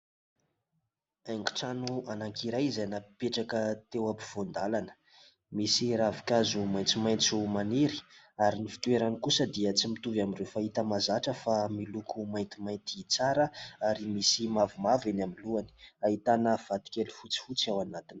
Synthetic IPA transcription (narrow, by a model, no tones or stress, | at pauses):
eŋɡi̥ʈ͡ʂanuanaŋkʰiɾajizajnapeʈ͡ʂakət̪ewapi̥v̥ond̪alanə̥ | misiɾavi̥kazumajnt͡simajnt͡sumaniɾi̥ | aɾinifi̥t̪weɾanikusəd̪iət͡simit̪uvaminrewfait̪əmazaʈ͡ʂəfamilukʰumajnt̪imajnt̪iːt͡saɾəaɾimisimavumavenamiluani̥ait̪anəv̥at̪i̥kelu̥fut͡si̥fut͡sewanat̪ini̥